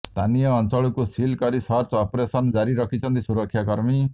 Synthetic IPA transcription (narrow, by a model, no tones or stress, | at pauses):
st̪ʰanijɔːnt͡ʃɔɭukusilkɔɾisɔɾt͡ʃɔpɾesɔnd͡ʒaɾiɾɔkʰit͡ʃʰɔnt̪isuɾɔkʰːjakɔɾmi